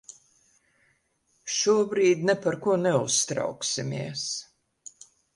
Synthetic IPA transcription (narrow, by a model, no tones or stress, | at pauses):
ʃuɔbɾiːd̪nɛpaɾkuɔnɛust̪ɾa̰wksimʲiɛs